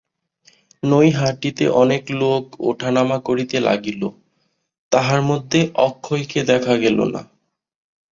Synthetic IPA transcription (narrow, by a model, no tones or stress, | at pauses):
nojɦaʈit̪ḛʔɔnekloko̰ʈʰanamakoɾit̪ela̰ɡilo | t̪aɦaɾmod̪ʱːeʔɔkʰːojked̪ɛkʰaɡɛlo̰na̰